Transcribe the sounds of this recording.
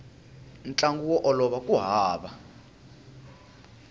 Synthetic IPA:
nt͡ɬʼaŋɡuwɔʔɔlɔɓakʼuɦaːɓa

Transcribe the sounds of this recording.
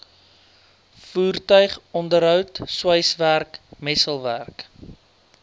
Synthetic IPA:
fuːrtœɥχɔndəɾɦœwtswəjsværkmɛsəlˠværk

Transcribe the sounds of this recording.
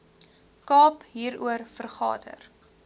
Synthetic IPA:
kɑːpɦiːɾṵərfərχɑ̰ːdə̰r

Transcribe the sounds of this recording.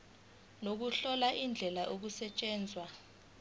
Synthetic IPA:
nok̬uɬɔlaʔind͡ɮʱɛlaʔok̬usɛt͡ʃʼɛːnd͡zʱwa

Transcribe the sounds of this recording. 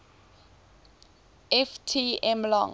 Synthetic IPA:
ɛftʰiɛmlɔ̰ŋ

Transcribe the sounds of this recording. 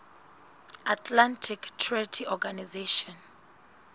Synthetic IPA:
atʰlantʰiktʰrɛtʰiɔɡanizeʃɔn

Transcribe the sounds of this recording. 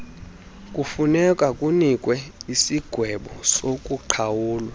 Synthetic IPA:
kʼufunɛkʼakʼunikʼwɛisiɡ̥ʱwɛɓɔsokʼuǃʰawuːlwa

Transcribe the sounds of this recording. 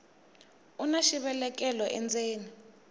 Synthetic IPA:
unaʃiɓɛlɛk̬ʼɛlɔʔɛ̰nd͡zeːni

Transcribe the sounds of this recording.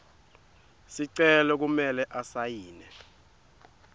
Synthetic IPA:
siǀɛlɔk̬umɛlɛʔasajiːnɛ

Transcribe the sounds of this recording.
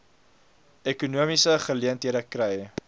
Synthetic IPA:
ekunuəmisəχəliəntɦiəɾəkrɛj

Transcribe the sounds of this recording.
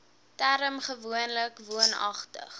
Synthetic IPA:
tæɾəmχəvuənləkvuənɐ̰χtə̰χ

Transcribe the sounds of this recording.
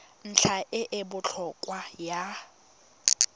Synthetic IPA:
n̩t͡ɬʰaʔɪʔɪbʊt͡ɬʰɔkʼwaja

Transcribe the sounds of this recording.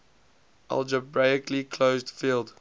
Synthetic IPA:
ʔa̰lˠd͡ʒəbɹaɪɪkʰlikʰloʊzdfiːlˠd

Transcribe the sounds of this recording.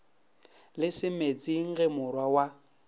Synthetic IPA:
lɪsɪmet͡sʼiŋ̩ɣemʊrwawa

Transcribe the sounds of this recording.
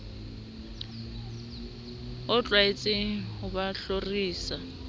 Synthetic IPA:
ʊt͡ɬʼwaet͡sʼɪhʊbaɬoriːsa

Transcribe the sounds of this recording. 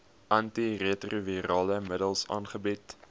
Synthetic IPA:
ʔɐntireətruviɾɑːləmədəlˠsɑ̰ːnχəbit

